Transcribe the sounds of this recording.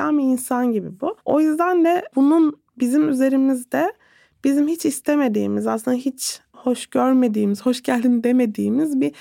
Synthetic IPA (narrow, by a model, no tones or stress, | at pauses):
amiinsanɟibḭbuojyzd̪and̪ɛbunun | bizimyze̞ɾimizd̪ɛ | b̥izimhit͡ʃist̪ʰe̞me̞d̪ḭːmizaslˠɯnaɦit͡ʃ | ho̞ʃɟ̥øɾme̞d̪iːmiz̥ho̞ʃɟælʲd̪inid̪e̞me̞d̪iːmizbi